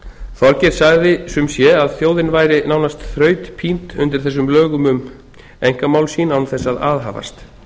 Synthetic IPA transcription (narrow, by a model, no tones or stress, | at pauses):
θɔɾcɛɾ̥saɣðɪsʏmsjɛaðθjoːwðɪnvaːjɾɪnaːwnast̪θɾœːɥt̪pʰint̪ʏnt̪ɪɾ̥θɛs̬ːʏmlœːɣʏmʏm | ejŋ̥kamaːwlsiːnawnθɛsːaðaːðɦa̰ːva̰st̪